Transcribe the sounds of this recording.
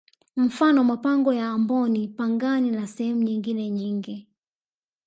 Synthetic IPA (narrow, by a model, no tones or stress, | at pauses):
m̩fanɔmapaŋɡɔjaːmbɔnipaŋɡaninasɛhɛmuɲiŋɡinɛɲiŋɡi